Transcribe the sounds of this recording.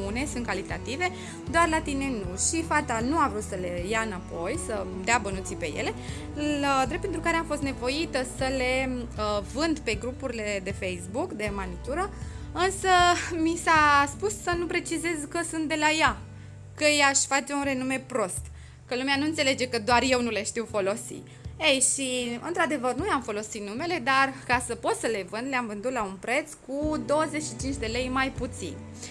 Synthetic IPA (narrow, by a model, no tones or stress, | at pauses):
une̞sunt̪kalit̪at̪ive̞ | d̪oarlat̪ine̞nuʃifat̪anuavɾut̪səle̞jaɨnapo̞jsəd̪eabənut̪sipe̞̰jḛle̞ | lad̪ɾepent̪ɾukaɾeamfo̞st̪ne̞vo̞it̪əsəle̞əvɨnd̪pe̞ɡɾupuɾile̞d̪e̞fejsbukd̪e̞manit̪uɾəɨnsəmisaspusːənupɾe̞t͡ʃize̞zkəsunt̪̚d̪e̞laja | kəjaʃʲfat͡ʃe̞unre̞nume̞pɾo̞st̪ | kəlumeanuɨnt̪se̞le̞d͡ʒe̞kəd̪oarje̞wnuleʃt̪iwfo̞lo̞sḭ | ejʃiɨ̰nt̪ɾad̪e̞vərnujeamfo̞lo̞sit̪nume̞le̞d̪arkasəpo̞t̪səle̞vɨnd̪leamvɨnd̪ut̪launpɾe̞t̪skud̪o̞wəze̞t͡ʃʃit͡ʃint͡ʃʲd̪e̞le̞jmajput̪sḭn